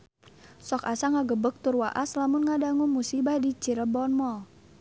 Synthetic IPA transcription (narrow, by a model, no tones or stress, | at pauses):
sɔkasaŋaɡəbək̚t̪urwaʔaslamʊnŋadaŋumusibahdit͡ʃiɾəbɔnmɔ